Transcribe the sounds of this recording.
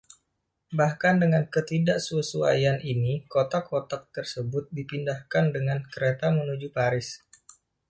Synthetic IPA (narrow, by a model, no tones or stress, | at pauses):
bahkandəŋankət̪idaʔsuəsua̰janʔinikot̪akʰot̪ak̚t̪ərsəbʊt̪̚dipindahkandəŋankəɾet̪amənud͡ʒupaɾɪs